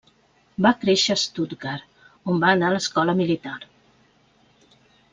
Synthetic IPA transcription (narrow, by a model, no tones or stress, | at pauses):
bakɾeʃəst̪ut̪ɡaɾ | ombaənaləskɔləmilit̪aɾ